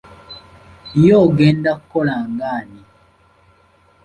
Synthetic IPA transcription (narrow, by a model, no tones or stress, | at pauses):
jɔɡɛndakɔlaŋɡani